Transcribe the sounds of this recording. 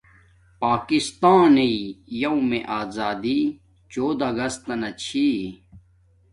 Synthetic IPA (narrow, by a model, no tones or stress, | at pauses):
paːkist̪aːneijɐũmẽʔaːzaːd̪i | t͡ɕoːd̪ɐɡɐst̪ɐnɐt͡ɕʰi